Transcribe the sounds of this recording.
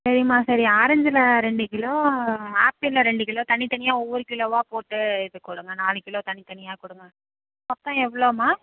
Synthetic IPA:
sɐɾɪmaːsɐɾiaːɾɐɲd͡ʒɪlɐɾɛɳɖɯkɪɭõːaːpːɪlːɐ̃ɾɛɳɖɯkɪɭõːt̪ɐnːit̪ɐnɪjaːɔʋːɔɾɯkɪɭoːʋaːpoːʈːɯɪðɯkːʊɽɯŋɡɐnaːlɯkɪɭõːt̪ɐɳit̪ɐnɪjaːkʊɽɯŋɡɐ | ɐpt̪ãːɛʋːɐɭoːmaː

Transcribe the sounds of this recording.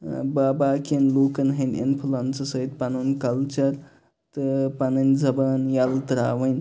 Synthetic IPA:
baːbaːkenluːkɐnɦɐnḭnpʰilɐnsɐsɐit̪panunkɐlt͡ʃɐɾ | t̪ɨpanɐnzɐbanjɐlt̪ɾa̰ːʋɐnʲ

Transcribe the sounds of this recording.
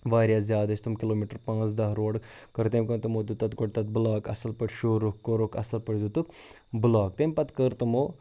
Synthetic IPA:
ʋaːɾʲjaːzʲjaːd̪ɐt͡ʃʰt̪umkɪloːmiːʈəɾpãːt͡sd̪ɐɦɾoːɽkkɐɾt̪eːmkɐnt̪ɐmoːd̪ut̪ɐt̪ɡoʈ̚t̪ɐt̪̚bulaːkɐ̰sɐlpɐɽʲʃoːɾukːoɾokɐ̰sɐlpɐɽʲd̪ut̪uk | bʊlaːk̚t̪eːmʲpɐt̪kəɾt̪ɐmoː

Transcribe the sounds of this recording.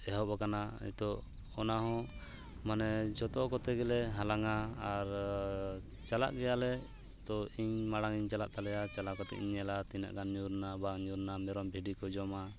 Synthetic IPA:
ɛɦɔpakanaḭt̪ɔ | ɔnaɦɔ̃ | manɛd͡ʒɔt̪ɔkɔt̪ɛɡɛlɛɦalaŋaːɾ | t͡ʃala̰ʔɡɛjalɛ | t̪ɔiɲmaɽaŋiɲt͡ʃala̰ʔt̪alɛjat͡ʃalaʔkɔt̪ɛ̰ʔḭɲɛlat̪ina̰ʔɡanɲuɾnabaɲuɾnamɛɾɔmbʱiɖikɔd͡ʒɔma

